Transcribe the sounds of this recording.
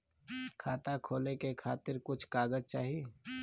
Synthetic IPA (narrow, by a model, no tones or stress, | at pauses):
kʰaːt̪akʰoːlekekʰaːt̪ɪɾkʊt͡ʃʰkaːɡəzt͡ʃaːɦie